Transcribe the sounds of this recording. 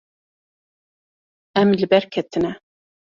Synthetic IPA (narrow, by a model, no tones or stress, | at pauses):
ɛmlɨbɛɾkʰɛt̪ʰɨnɛ